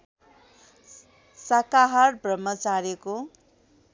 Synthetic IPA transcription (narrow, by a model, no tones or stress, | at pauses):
sakaɦarbrʌmːʌt͡saɾiko